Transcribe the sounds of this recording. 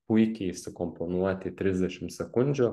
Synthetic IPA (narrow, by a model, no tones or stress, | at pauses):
pʊɪkʲeɪsʊkɔmponuɔt̪ʲɪt̪ʲɾʲɪzʲd̪ʲɛʃʲɪmt̪sʲɛkʊnʲd͡ʒʲuː